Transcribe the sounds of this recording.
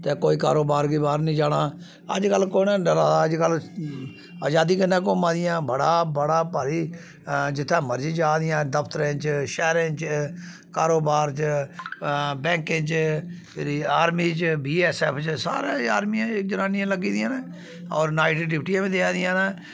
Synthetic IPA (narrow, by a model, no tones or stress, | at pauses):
t̪eːkoːiːkaːɾoːbaːɾkiːbaːɾnĩːd͡ʒaːɽaː | ə̰d͡ʒkəlːkoːnaːɖəlaːaəd͡ʒkəl | aːd͡ʒaːd̪iːkənːãːkoːmãːd̪ɪjãːbəɽaːbəɽaːpaːɾiː | d͡ʒɪt̪ʰːɛ̃ːməɾd͡ʒiːd͡ʒaːd̪ɪjãːd̪əpʰt̪əɾẽːt͡ʃʃɛːɾẽːt͡ʃ | kaːɾoːbaːɾt͡ʃ | bɛ̃ːŋkẽːt͡ʃ | eːɾiːaːɾmiːt͡ʃbiːɛːsɛːpʰt͡ʃsa̰ːɾẽːa̰ːɾmiãːkd͡ʒənaːnɪjãːləɡiːd̪ɪjãːneː | ɔːɾnaːɪʈiʈɪʋʈiãːʋĩd̪eãːd̪ɪjãːneː